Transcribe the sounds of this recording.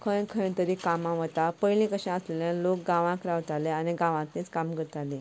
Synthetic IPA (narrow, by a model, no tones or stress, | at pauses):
kʰə̃j̃kʰə̃j̃t̪əɾikamãʋət̪apəjlĩkəɕãəsleljãlok̚ɡãʋãkɾaʋt̪aleaniɡãʋãknit͡skamkəɾt̪alẽ